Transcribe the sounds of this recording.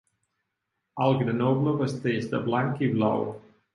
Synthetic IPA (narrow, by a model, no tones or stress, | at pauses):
alˠɡɾənobləvəst̪ezd̪əblaŋkibla̰w